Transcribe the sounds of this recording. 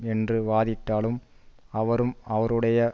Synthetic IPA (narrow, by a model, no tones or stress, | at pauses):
ɛndrɯʋaːðɪʈ̪ːaːɭɯm | ɐʋɐɾɯmɐʋɐɾɯɽɐjɐ